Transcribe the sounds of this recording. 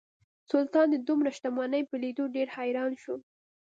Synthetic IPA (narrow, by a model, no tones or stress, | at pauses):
sʊlt̪ɑnd̪əd̪umɾaʃt̪amɑnəjpəlid̪oɖeɾhajɾɑnʃu